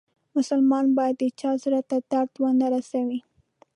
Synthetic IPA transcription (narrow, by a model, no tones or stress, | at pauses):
mʊsʊlmɑnbɑjad̪ət͡ʃɑzɾat̪ad̪̥aɾd̪wənaɾasawi